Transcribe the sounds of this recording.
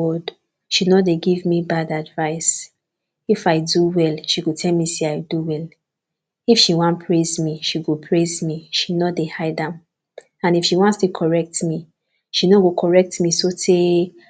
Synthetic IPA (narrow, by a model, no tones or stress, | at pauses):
ɔd | ʃinɔdeɡivmibadadvaɪs | ifaɪduwɛlʃiɡotʰɛlmiseaɪduwɛl | ifʃiwãnpʰɹezmiʃiɡopʰɹezmiʃinɔdehaɪdãm | ãnifʃiwɔ̃nstukʰɔɹɛk̚tmi | ʃinɔɡokʰɔɹɛk̚tmisose